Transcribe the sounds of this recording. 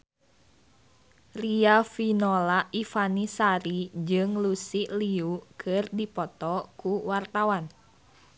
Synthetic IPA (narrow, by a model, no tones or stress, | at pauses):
riafinɔlaifanisaɾid͡ʒɨŋlusiʔliukʰɨrdipɔt̪ɔkuwart̪awan